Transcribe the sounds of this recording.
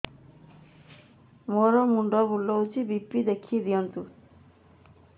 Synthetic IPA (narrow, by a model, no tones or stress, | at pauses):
moɾɔmuɳɖɔbulːɔwt͡ʃʰibipːid̪ekʰied̪iɔnt̪u